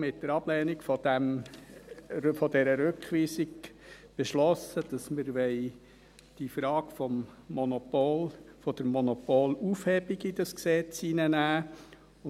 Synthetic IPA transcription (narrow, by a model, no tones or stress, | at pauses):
mɪtːəɾɑb̥lɛːnikfɔdæm | fɔd̪ɛɾəɾʉkχʋiːsiɡ̚ | b̥eʃlɔsəd̥ɑsməɾʋɛɪ | d̥ifɾɑːɡfɔmːɔnɔpolfɔd̥̪əɾmɔnɔpoːlufhɛbiɡid̥ɑsksɛt͡sinənæː | ʊ